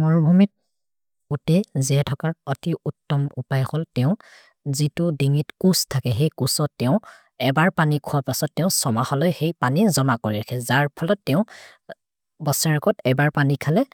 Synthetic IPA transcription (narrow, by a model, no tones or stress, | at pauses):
mɔɹɔbʱumit̚ | utɛziɛtʰɔkaɹɔtiutːɔmupajxɔltɛʊ̃ | zitʊdiŋitkustʰakɛɦejkusɔtːɛʊ̃ | ɛbaɹpanikʰuapasɔtːɛʊ̃sɔmaxɔlɔjxejpanizɔmakoɹiɹakʰɛzaɹpʰɔlɔtːɛʊ̃ | bɔsaɹɔkɔtɛbaɹpanikʰalɛ